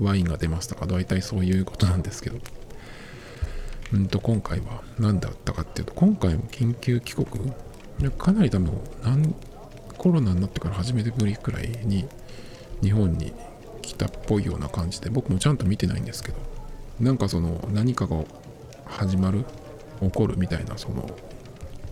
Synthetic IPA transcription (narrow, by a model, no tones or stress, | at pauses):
βaĩŋɡad̪e̞maɕsi̥t̪ḁkad̪ait̪aiso̞ːjɯ̟ːko̞t̪o̞nãnd̪e̞sɨ̥ke̞d̪o̞ | ɯ̟̃nt̪o̞kõ̞ŋkaiβanãnd̪a̰t̪ːakat̪ːe̞iɯ̟t̪o̞kõ̞ŋkaimo̞kʲĩŋkʲɨːkʲi̥ko̞kɯ̟ | jakʰanaɾʲit̪abɯ̰̃nãŋ | ko̞ɾo̞naɲʲnat̪ːe̞kaɾahaʑime̞t̪emɯ̟ɾʲikɯ̟ɾa̰iɲ̟i | ɲiɦõ̞ɲ̟ːḭ | kʲʰi̥t̪apːo̞ijo̞̰ːna̰kãɲ̟d͡ʑid̪e̞bo̞kɯ̟mo̞t͡ɕãnt̪o̞mʲit̪e̞na̰ḭ̃nd̪e̞sɨ̥ke̞d̪̥o̞nãŋkaso̞no̞̰naɲ̟ikaɡa | haʑimaɾɯ̟ | o̞ko̞ɾɯ̟mʲit̪aina̰so̞no̞̰